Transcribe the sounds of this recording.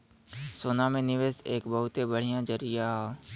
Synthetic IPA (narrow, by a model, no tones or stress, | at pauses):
soːnamẽnɪʋeːseːkbɐɦʊt̪ebəɽ̤ijãd͡ʒəɾijaɦ